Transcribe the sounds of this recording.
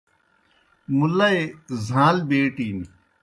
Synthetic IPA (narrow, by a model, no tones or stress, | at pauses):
mulɐezʱãːlbeːʈiːni